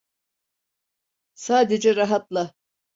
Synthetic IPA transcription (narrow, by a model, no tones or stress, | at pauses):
saːd̪ed͡ʒɛɾaɦat̪lˠa